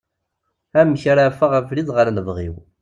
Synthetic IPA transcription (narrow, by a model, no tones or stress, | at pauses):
æmçaɾafaʁæfliðˤʁəɾnəvʁḭw